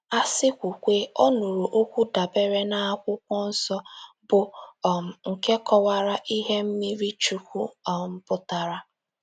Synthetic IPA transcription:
a˦sɪ˦kʷu˨kʷe˦o˦nu˨ɾo˨ʔo˦kʷu˦da˨be˦ɾe˦na˨a˦kʷʊ˦kʷɔ˦n̩˦sɔ˦ | bʊ˨ | ŋ̩˨ke˦kɔ˦wa˦ɾa˦ʔi˦ɦe˦m̩˦mi˦ɾi˦t͡ʃu˨kʷu˦˨m̩˦pʊ˦ta˨ɾa˦

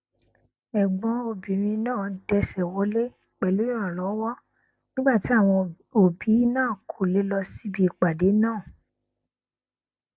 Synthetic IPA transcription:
ɛ˨ɡ͡bɔ̃˨˧˦o˧˨bĩ˨ɾĩ˧nãː˦˨˧dɛ˧sɛ˨wo˨˦le˦ | k͡pɛ˨lũ˨˦ã˨lɔ˨˦wɔ˦ | nĩ˦ɡ͡ba˦˨ti˨˦a˦˨w̃ɔ̃˧ | o˨bi˨˦nãː˦˨kʰo˨le˨˦lɔ˧si˦bi˧i˨k͡pa˨de˨˦nãː˦˨

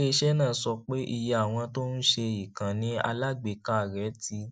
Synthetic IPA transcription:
e˦˧ʃɛ˦nãː˦˨sɔ˧k͡pe˦ʔi˧ja˧˨a˦˨w̃ɔ̃˧to˦n̩˦ʃe˧i˨kã˨nĩ˦a̰˧la˦ɡ͡be˧˨ka˦˨ɾɛ˨˦ti˧˦

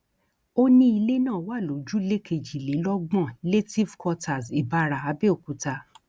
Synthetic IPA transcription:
o˦nĩ˦i˧le˦nãː˦˨˦wa˦˨lo˨˦d͡ʒu˦le˦kʰe˧d͡ʒi˨le˨˦lɔ˦ɡ͡bɔ̃˦˨le˦ti˦vkɔ˧ta˨si˨ba˧ɾa˨a˨˧˦be˦o˨ku˨ta˧

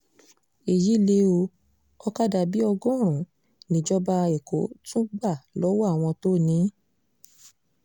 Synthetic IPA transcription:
e˨ji˨˦˨le˦o˧ | ɔ˦ka˦da˧bi˦ɔ˧ɡɔ̃˦˨ɾ̃ũ˨ | nĩ˨˦d͡ʒɔ˦ba˧e˨ko˨˦tũ˦ɡ͡ba˦˨lɔ˨˦wa˦˨w̃ɔ̃˧to˦˨nĩ˨˦

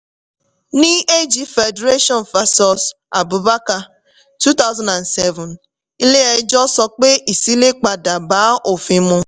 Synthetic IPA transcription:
ni˦e˦d͡ʒi˨fe˨de˨ɾe˦ʃɔ˦n˨fa˨sɔ˨s | a̰˨bʊ˨ba˦ka˨ | tu˦ta˦ʊ˦zã˦nda˨nsɛ˦vʊ˨n | i˦le˦e˨˦d͡ʒɔ˦sɔ˦k͡pe˦ʔi˨si˦le˦k͡pa˨da˨baː˨˦o˨fi˦mʊ˦

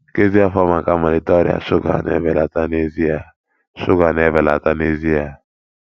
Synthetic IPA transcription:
ke˦zi˦a˦˨fɔ˦ma˨ka˦ma˨li˨tɔ˦ɾḭ˦a̰˨ʃʊ˦ka̰˨nɛ̰˨vɛ˨la˨ta˦ne˦˨zi˦a˨ | ʃʊ˦ka˨nɛ˨vɛ˨la̰˨ta˦ne˦zi˦a˨

